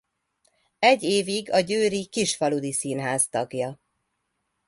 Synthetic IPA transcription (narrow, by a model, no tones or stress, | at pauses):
ɛɟːeːviɡɒɟøːɾikiʃfɒlud̪isiːnɦaːst̪ɒɡjɒ